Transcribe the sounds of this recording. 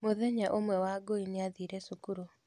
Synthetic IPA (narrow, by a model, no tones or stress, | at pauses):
moðɛɲaʔomwɛwaɡoinɪaðiɾɛsukuɾo